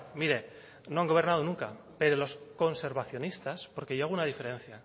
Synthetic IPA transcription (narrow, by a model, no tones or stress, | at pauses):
miɾe̞ | no̞aŋɡo̞β̞e̞ɾnaðonũŋka̰ | pe̞ɾolo̞sko̞nse̞ɾβaθjonist̪aspo̞ɾke̞ʝoaɣunaðife̞ɾe̞n̟θja